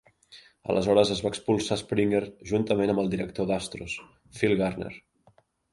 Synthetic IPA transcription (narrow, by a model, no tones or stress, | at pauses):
ə̰lʔəzɔɾəzəzβaːkspulˠsaspɾiŋɡəɾʒunt̪əmenəmbəlˠd̪iɾək̚t̪od̪ast̪ɾus | filˠɣarnḛɾ